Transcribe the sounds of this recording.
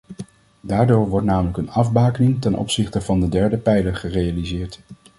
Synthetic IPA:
daːɹdoːɹʋɔɹtnaːmələkənɑvbaːkənɪŋtɛnʔɔ̰psɪχtəvɑndədɛɹdəpɛjləɹχərejalizɪːɹt

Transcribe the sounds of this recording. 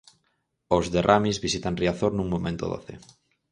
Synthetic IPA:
ozðerʔamizβisit̪aŋriaθoɾnũŋmomẽnt̪o̰ðo̰θḛ

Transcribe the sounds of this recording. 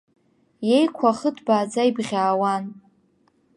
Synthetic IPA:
je̞jkʷʰaχətʰbaːd͡zaibʁʲaːwan

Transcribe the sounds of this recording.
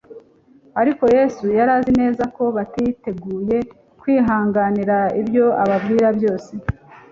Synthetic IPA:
aɾiko̞je̞sujaɾaːzine̞ːzako̞βatite̞ɡuːje̞ | kwiːɦaːŋɡaniɾaibjo̞aβabɡiːɾabjo̞ːse

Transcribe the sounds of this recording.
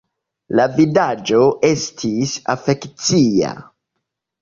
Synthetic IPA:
lavidad͡ʒo̞ʔe̞stʰisafe̞kt͡sia̰

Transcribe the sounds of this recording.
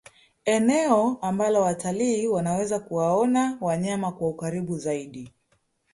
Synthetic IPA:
ɛnɛɔambalɔwataliːwanawɛzakuwaɔnawaɲamakwaukaɾiɓuzaiɗi

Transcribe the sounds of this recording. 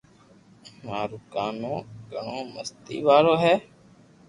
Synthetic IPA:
maːɾʊːkaːnõːɡəɳoːməst̪ḭːʋaːloːɦɛː

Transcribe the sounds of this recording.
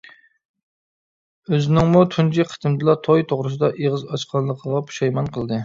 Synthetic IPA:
øzɪnɪŋmut̪ʰund͡ʒiqʰə̥t̪ɨmd̪ɨlˠɑt̪ʰojt̪ʰoʁɾɨsɨd̪ɑʔeʁəzɑʃqʰɑnlˠəqʰəʁɑpʰu̥ʃɑjmɑnqʰəlˠd̪ɨ

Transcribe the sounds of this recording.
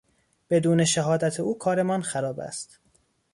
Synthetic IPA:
b̥e̞d̪uːne̞ʃæɦɒːd̪æt̪ʰeuːkʰɒːɾe̞mɒnxæɾɒːbæ̰st̪

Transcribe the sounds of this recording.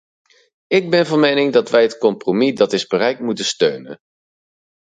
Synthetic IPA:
ɪɡ̚bɛnvɑnmejnɪŋdɑtʋɛjɦətkɔmpromidɑtɪzbərɛjk̚tmutəstøɥnə̰n

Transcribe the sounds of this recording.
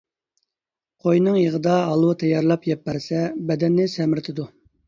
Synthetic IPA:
qʰojnɨŋjəʁəd̪ɑɦɑlˠut̪ʰɛjɑɾlˠɑpjɛpːæɾsɛbɛd̪ɛnːɪsɛmɪɾt̪ʰɪd̪u

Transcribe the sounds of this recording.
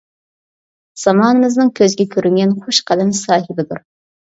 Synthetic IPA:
z̥ɑmɑːnɨmɪznɨŋkʲʰøzɡʲɛkʲʰøɾyŋɡʲɛnχoʃqʰɑlɛnsɑːɦɪbɪd̪uɾ

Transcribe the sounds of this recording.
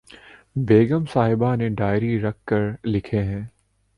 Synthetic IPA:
beːɡəmsaːɦɪbaneɖaːɪɾiɾɐk̚ʰːəɾlɪkʰeɦɛ̃ː

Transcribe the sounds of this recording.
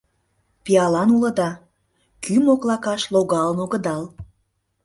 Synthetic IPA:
piɑlɑnulə̆d̪ɑ | kymoklɑkɑʃloɣɑlənoɣəd̪ɑl

